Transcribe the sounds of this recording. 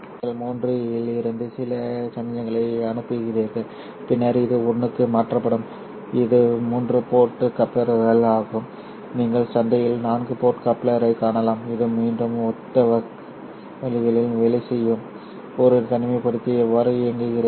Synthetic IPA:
ŋɡɐɭmuːndrɯɪlɪɾɯnd̪ɯsɪlɐsɐnd̪ɐjɐŋɡɐɭɐɪɐnɯpːɯɣɪrɐɾɣɐɭ | pɪnːaːɾɯɪðɯɔɳːɯkːɯmaːʈrɐpːɐɽɯm | ɪðɯmuːndrɯpoːʈːɯkɐpːɐɾɣɐɭaːɣɯm | niːŋɡɐɭsɐnd̪ɐjɪlnaːnɡɯpoːʈkɐpːlɐɾɐɪkːaːnɐlaːmɪðɯmiːɳɖɯmɔt̪ːɐʋɐ | ʋɛlɪɣɐɭɪlʋɛɭɪsɛjːɯm | ɔɾɯt̪ɐɳɯmɐɪpɐɽɯt̪ːɯjɛʋːaːɾɯeŋɡɯɣɪɾɐ

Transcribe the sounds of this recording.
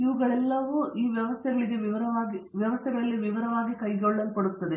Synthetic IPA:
iʋuɡɐɭɛlːɐʋuʔiːʋjɐʋɐst̪ʰɛɡɐɭiɡe̞ʋiʋɐɾɐʋaːɡiʋjɐʋɐst̪ʰɛɡɐɭɐlːiʋiʋɐɾɐʋaːɡikɐjɡoɭːɐlupɐɽut̪ːɐd̪e

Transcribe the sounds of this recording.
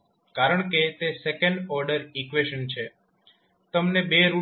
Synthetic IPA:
kaɾəɳ̃ket̪esekəɳɖɔɾɖəɾikʋeʃənt͡ʃʰe | t̪əmnebeɾu

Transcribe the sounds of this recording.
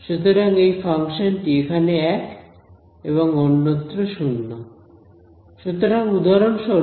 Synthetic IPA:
ʃut̪oɾaŋejfaŋʃonʈiekʰaneɛk | eβoŋonːot̪ːɾoʃunːo | ʃut̪oɾaŋud̪ʱaɾonʃɔ

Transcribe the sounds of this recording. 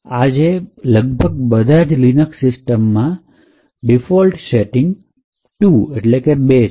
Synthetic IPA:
ad͡ʒeləɡ̚bʱəɡ̚bəd̪ʱad͡ʒlinəksɪsʈəmːã | ɖifɔlʈseʈɪŋɡ | ʈueʈlekebe

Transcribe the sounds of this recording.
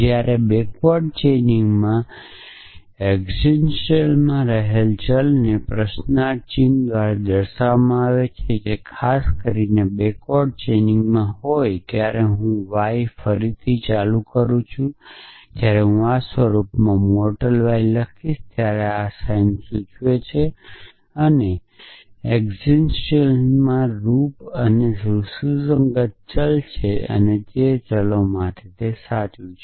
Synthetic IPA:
d͡ʒjaɾebekʋɔɖt͡ʃeniŋɡmã | eɡzinʃelmãɾəɦelt͡ʃəlnepɾəʃnat͡ʃimd̪ʋaɾad̪əɾʃaʋamãaʋet͡ʃʰed͡ʒekʰaskəɾinebekɔɖ̚t͡ʃeniŋɡmãɦojt̪jaɾeɦũʋajfəɾit̪ʰit͡ʃalukəɾũt͡ʃʰũt̪jaɾeɦũasʋəɾupmãmoɾʈəlʋajləkʰiʃt̪jaɾeasajnsut͡ʃʰʋet͡ʃʰe | əne | eɡzinst͡ʃemãɾupənesususəŋɡət̪̚t͡ʃəlt͡ʃʰeə̰ned͡ʒet͡ʃəlomãt̪ʰet̪esat̪jũt͡ʃʰe

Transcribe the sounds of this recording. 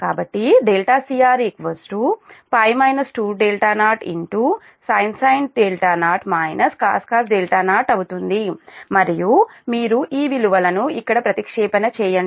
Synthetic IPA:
kaːbɐʈːiɖelʈaːsijaːɾikʋɐsʈupɐjmɐjnɐsʈuːɖeːlʈaːnaːɾʈḭɳʈuː | sɐjnsɐjnɖeːlʈaːnaːɾʈmaːjnʔɐska̰ːskaːsɖeːlʈaːnaːɾʈɐwut̪und̪imɐɾijumiːɾuʔiːʋiluʋɐlɐnuikːɐɽɐpɾɐt̪ikʂɛːpɐnɐt͡ʃɛːjɐɳ

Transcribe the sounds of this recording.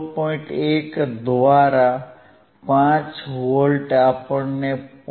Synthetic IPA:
pɔĩʈekd̪ʋaɾa | pãt͡ʃʋəlɖapəɽnep

